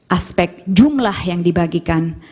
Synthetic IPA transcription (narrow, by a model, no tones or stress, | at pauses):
ʔaspɛk̚t̪̚d͡ʒumlahjaŋdibaɡikan